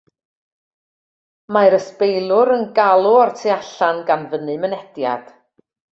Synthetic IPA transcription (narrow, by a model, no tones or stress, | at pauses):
maɨɾəspejlˠʊɾənɡalˠʊɔrtʰiaɬanɡanvənɨmənɛd̥ja̰d̥